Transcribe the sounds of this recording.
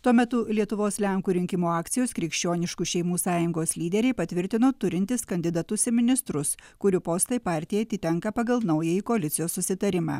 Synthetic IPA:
t̪uɔmʲɛt̪ʊlʲiɛt̪ʊʋoːslʲɛŋkuːɾʲɪŋʲkʲɪmoːɑːkt̪sʲɪjoːskɾʲɪkʃʲt͡ʃʲoːnʲɪʃkuʃʲɛɪmuːsɑːjʊŋɡoːslʲiːd̪ʲɛɾʲɛɪpɐt̪ʲʋʲɪɾʲt̪ʲɪnoːt̪ʊɾʲɪnʲt̪ʲɪskɐnʲd̪ʲɪd̪ɐt̪ʊsʲɪmʲɪnʲɪst̪ɾʊskʊɾʲʊpoːst̪ɐɪpɑːɾʲt̪ʲɪjɛɐt̪ʲɪt̪ʲɛŋkɐpɐɡɐlˠnɐʊjɛjikoɐlʲɪt̪sʲɪjoːssʊsʲɪt̪ɐɾʲɪmɑ̰ː

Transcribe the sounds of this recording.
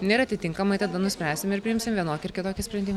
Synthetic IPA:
nʲɛeɪɾɐt̪ʲɪt̪ʲɪŋkɐmɐɪt̪ɐd̪ɐnʊsʲpʲɾʲæːsʲɪmɪɾpʲɾʲɪjɪmsʲɪmʋʲiɛnoːkʲɪɪɾkʲɪt̪oːkʲɪsʲpʲɾʲɛnd̪ʲiːmɐ

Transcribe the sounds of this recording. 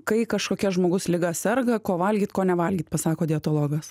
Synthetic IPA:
kɐɪkɐʃkoːkʲɛʒmoːɡʊslʲɪɡɐsʲɛrɡɐkoːʋɐlʲɡʲiːt̪koːnʲɛʋɐlʲɡʲiːt̪pɐsɑːkoːd̪ʲɪɛt̪oːlˠoːɡɐs

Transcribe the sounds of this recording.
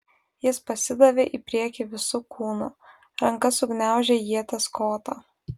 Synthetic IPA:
jɪspɐsʲɪd̪ɐʋʲeːʔipʲɾʲiɛkʲiʋʲɪsʊkʰuːnʊ | ɾɐŋkɐsʊɡnʲæˑʊʒʲejiɛt̪ʲɐskoːt̪o

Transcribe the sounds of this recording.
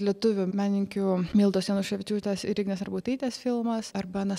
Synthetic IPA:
lʲiɛt̪ʊʋʲʊmʲæːnʲɪŋʲkʲʊmʲiːlˠd̪oːsʲiɛnoːʃɐʋʲɪt͡ʃʲuːt̪ʲɛsɾʲɪɡʲnʲɛsɐɾbuːt̪ɐiːt̪ʲesfʲɪlˠmɐsɐɾbɐnɐ

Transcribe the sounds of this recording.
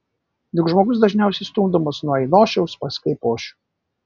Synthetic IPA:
nʲʊkʒmoːɡʊsd̪ɐʒʲnʲɛʊsʲɛɪst̪uːmd̪ɔmosnuɔɛɪnoːʃʲɛʊspɐsʲkɐɪpoːʃʲʊ

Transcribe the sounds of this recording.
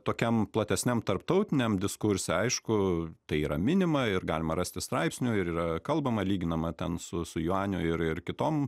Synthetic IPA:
t̪oːkʲɛmplˠɐt̪ʲɛsʲnʲɛmt̪ɐrpt̪ɐʊt̪ʲɪnʲɛmd̪ʲɪskʊɾʲsʲɛɐɪʃkʊt̪ɐɪiːɾɐmʲɪnʲɪmɐɪrɡɑːlʲɪmɐɾɐsʲt̪ʲɪst̪ɾɐɪpsʲnʲʊɪɾiːɾɐkɐlˠbɐmɐlʲiːɡʲɪnɐmɐt̪ʲɛnsʊsʊjʊɑːnʲo̰ːɪɾɪrkʲɪt̪oːm

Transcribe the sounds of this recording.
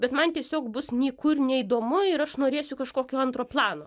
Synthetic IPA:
bʲɛt̪mɐnt̪ʲiɛsʲoːkbʊsnʲiːkʊrnʲɛid̪oːmʊɪɾɐʃnoːɾʲeːsʲʊkɐʃkoːkʲoːɐnt̪ɾoːplˠɑːnoː

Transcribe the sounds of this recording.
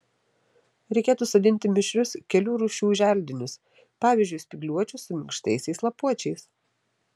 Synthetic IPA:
ɾʲɛɪkʲeːt̪uːsɐd̪ʲɪnʲt̪ʲɪmʲɪʃʲɾʲʊskʲɛlʲuːɾuːʃʲuːʒʲæˑlʲd̪ʲɪnʲʊs | pɑːʋʲɪːzʲd͡ʒʲʊɪsʲpʲɪɡlʲuɔt͡ʃʲʊsʊmʲɪŋkʃt̪ɐɪsʲɛɪslˠɐpuɔt͡ʃʲɛɪs

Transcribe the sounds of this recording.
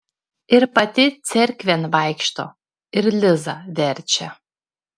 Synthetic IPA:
ɪɾpɐt̪ʲɪt̪sʲɛɾʲkʲʋʲɛnʋɐˑɪkʃt̪o̰ː | ɪɾlʲɪzɐʋʲɛɾʲˑt͡ʃʲɛ

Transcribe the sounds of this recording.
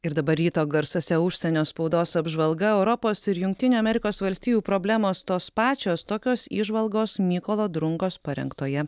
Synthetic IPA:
ɪɾd̪ɐbɐɾʲɾʲiːt̪oːɡɐɾsosʲɛʊʃʲsʲɛnʲoːspɔʊd̪oːsɐbʒʋɐlˠɡɐɛʊɾɔpoːsɪɾjʊŋk̚ʲt̪ʲɪnʲuːɐmʲɛɾʲɪkoːsʋɐlʲsʲt̪ʲiːjuːpɾoːbʲlʲæːmoːst̪oːspɑːt͡ʃʲoːst̪oːkʲoːsḭːʒʋɐlˠɡoːsmʲiːkolˠoːd̪ɾʊŋkoːspɐɾʲɛ̰ŋkt̪oːjɛ

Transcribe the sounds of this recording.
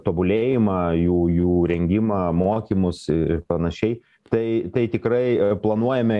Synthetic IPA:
t̪oːbʊlʲeːjɪmɑːjuːjuːɾʲɛŋʲɡʲɪmɑːmoːkʲiːmʊsɪɪɾpɐnɐʃʲɛɪ | t̪ɐɪt̪ɐɪt̪ʲɪkɾɐɪplˠɐnuɔjɛmʲɛ

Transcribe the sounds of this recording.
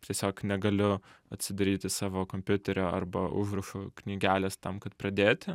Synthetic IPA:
t̪ʲiɛsʲoːknʲɛɡɐlʲʊɐt̪ʲsʲɪd̪ɐɾʲiːt̪ʲɪsɑːʋoːkomʲpʲʊt̪ʲɛɾʲoːɐ̰rbɐʔʊ̰ʒɾɐʃʊknʲiːɡʲæːlʲɛst̪ɐmkɐt̪prɐd̪ʲeːt̪ʲɪ

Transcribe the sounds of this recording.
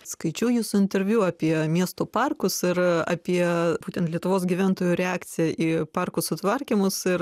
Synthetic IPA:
skɐɪt͡ʃʲuːjuːsʊɪnʲt̪ʲɛɾʲʋʲjuɑːpʲiɛmʲiɛst̪oːpɑrkʊsɪɾɑ̰ːpʲiɛbuːt̪ʲɛnt̪lʲiɛt̪ʊʋoːsɡʲiʋʲæˑnt̪oːjʊːɾʲɛɑːkt̪sʲɪjɛʔiːpɑrkʊsʊt̪ʋɐɾʲkʲimʊsɪɾ

